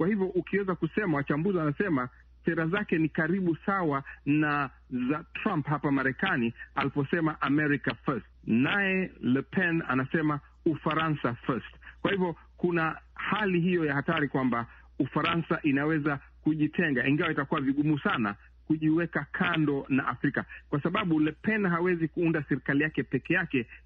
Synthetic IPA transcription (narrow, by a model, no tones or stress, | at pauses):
kwahivjɔʔukiwɛzakusɛmawat͡ʃambuzianasɛma | sɛɾazakɛnikaɾiɓusawana | zatɾãmpɦapamaɾɛkanialipɔsɛmaʔamɛɾikafɛstnajɛlɛpʰɛna̰nasɛma | ufaɾansafɛstkwahivɔ | kunahaliɦijɔjahataɾikwamba | ufaɾansaʔinawɛza | kuʄitʰɛŋɡaiŋɡawaitakuwaviɠumusana̰ | kuʄiwɛkakʰandɔna̰ʔafɾikakwasaɓaɓulɛpɛnɦawɛzikuundasɛɾikalijakɛpɛkɛjakɛ